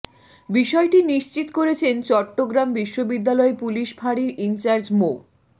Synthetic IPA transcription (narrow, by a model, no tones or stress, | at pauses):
biʃɔeʈiniʃt͡ɕit̪koɾet͡ɕʰent͡ɕɔʈːoɡɾambiʃːobid̪ːalɔepuliʃbʱaɽiɾint͡ɕaɾd͡ʑmo